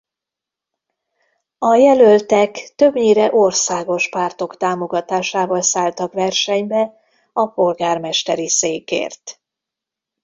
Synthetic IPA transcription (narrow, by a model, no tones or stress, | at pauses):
ɒjɛlølt̪ɛkt̪ø̞bɲiːɾɛʔo̞rsaːɡo̞ʃpaːrt̪o̞kt̪aːmo̞ɡɒt̪aːʃaːvɒlsaːlt̪ɒkʋɛrʃɛɲbɛ | ɒpo̞lɡaːrmɛʃt̪ɛɾiseːkḛːrt̪